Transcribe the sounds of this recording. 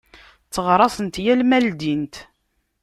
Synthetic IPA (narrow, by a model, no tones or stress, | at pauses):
t͡sːəʁɾˤɑsˤənt̪jælmæld̪int̪